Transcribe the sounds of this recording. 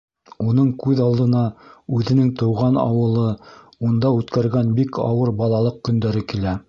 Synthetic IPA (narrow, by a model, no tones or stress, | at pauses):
unɤɴkʉðɑlˠd̪ɤ̆nɑʉðɘ̆nɘŋt̪ɤ̆wʁɑnɑ̰wɤ̆lˠɤ | und̪ɑʉt̪kæɾɡænbikʰɑ̰wɤɾbɑlˠɑlˠɤq̚kɵ̆nd̪æɾɘkilæ